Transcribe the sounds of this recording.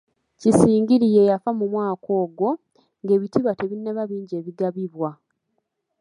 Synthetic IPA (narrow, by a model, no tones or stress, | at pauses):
cisiːŋɡiɾije̞jafamumwaːkʰo̞ːɡo̞ | ŋɡe̞ːβitiβate̞βinːeβaβiːɲɟe̞ːβiɡaβiβwa